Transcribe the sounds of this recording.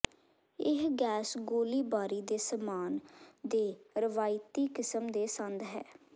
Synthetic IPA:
ɪɦɡɛːsɡoːliːbaːɾiːd̪eːsəmaːnd̪eːɾəʋaːɪt̪iːkɪsəmd̪eːsə̃nd̪ɦɛː

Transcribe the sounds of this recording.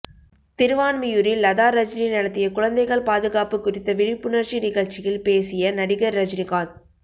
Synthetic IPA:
t̪ɪɾɯʋaːnmɪjʊɾɪlːɐðaːɾɐd͡ʒninɪɽɐt̪ːɪjɐkʊɻɐnd̪ɐɪɣɐɭpaːðɯɣaːpɯkːʊrɪt̪ːɐʋɪɻɪpːɯnɐrt͡ʃinɪɣɐɻt͡ʃɪjɪlpeːsɪjɐnɐɽɪɣɐɾːɐd͡ʒnɪɣaːn

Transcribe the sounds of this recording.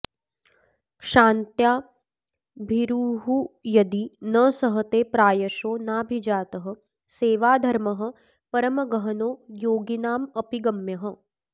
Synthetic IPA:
kʂaːnt̪jaː | bʱiɾuːɦujɐd̪inɐsɐɦɐt̪eːpɾaːjɐʃoːnaːbʱid͡ʒaːt̪ɐɦɐ̆ | seːʋaːd̪ʱɐɾmɐɦɐ̆ | pɐɾɐmɐɡɐɦɐnoːjoːɡinaːmɐpiɡɐmjɐɦɐ̆

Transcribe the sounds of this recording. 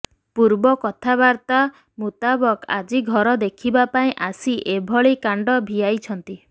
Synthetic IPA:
puɾbɔkɔt̪ʰaβaɾt̪a | mut̪abɔka̰d͡ʒiɡʱɔɾɔd̪ekʰibapaĩʔasiʔebʱɔɭikaɳɖɔbʱijajt͡ʃʰɔnt̪i

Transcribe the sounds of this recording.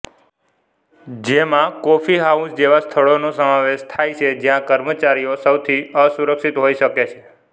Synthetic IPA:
d͡ʒemãkofiɦausd͡ʒeʋast̪ʰəɭonosəmãʋeʃt̪ʰajt͡ʃʰed͡ʒjãkəɾmət͡ʃaɾijosəwt̪ʰiəsuɾəkʃit̪ɦoiʃəket͡ʃʰe̥

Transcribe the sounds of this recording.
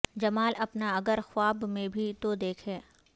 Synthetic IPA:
d͡ʒɐmaːlʔɐpnaɐɡəɾxwaːbmẽbʱit̪od̪eːkʰɦɛː

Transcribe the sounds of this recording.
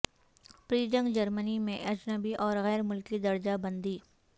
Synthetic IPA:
pɾiːd͡ʒə̃ŋɡd͡ʒɐɾmənimẽʔɐd͡ʒnəbiʔɔːɾɣɛːɾmʊlkid̪ɐɾd͡ʒabɐ̃nd̪iː

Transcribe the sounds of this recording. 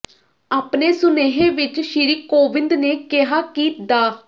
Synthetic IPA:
aːpneːsʊneːɦeːʋɪt͡ʃʃɪɾiːkoːʋɪnd̪neːkɪɦaːkiːd̪aː

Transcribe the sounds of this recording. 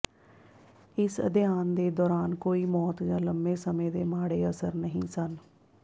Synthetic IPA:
ɪsə̰d̪ɪjaːnd̪eːd̪ɔːɾaːnkoːiːmɔːt̪jãːləmbeːsəmẽːd̪eːmaːɽeːəsəɾnəɦḭ̃ːsən

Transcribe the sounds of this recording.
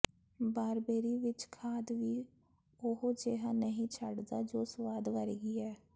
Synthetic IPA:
baːɾbeːɾiːʋɪt͡ʃkʰaːd̪ʋiː | ʊɦod͡ʒeːɦãːnəɦĩːt͡ʃʰəɖd̪aːd͡ʒoːsʋaːd̪ʋəɾeːɡiːɛː

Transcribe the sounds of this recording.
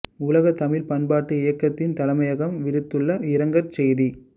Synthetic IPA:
ʊlɐɣɐt̪ɐmɪlpɐnbaːʈːɯɪjɐkːɐt̪ːɪnt̪ɐlɐmɐjɐɣɐmʋɪɽɯt̪ːɯɭːɐɪɾɐŋɡɐɾt͡ʃɛjði

